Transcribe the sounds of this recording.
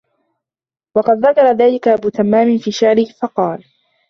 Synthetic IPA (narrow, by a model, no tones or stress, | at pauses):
wɑqɑd̪ðakɑɾˤɑðaːlɪkaʔabuːt̪amːaːmɪnfiːʃaʕɾɪhfɑqɑːl